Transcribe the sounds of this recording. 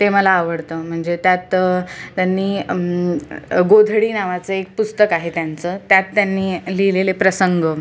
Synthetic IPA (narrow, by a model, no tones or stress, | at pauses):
t̪eməlaːʋəɽt̪əm̤əɳd͡zet̪jat̪t̪ːjanːiː | ɡod̪ʱɽiːnaʋat͡səek̚pust̪əkaɦet̪jant͡sət̪jat̪ːjanːiːlilelepɾəsəŋɡə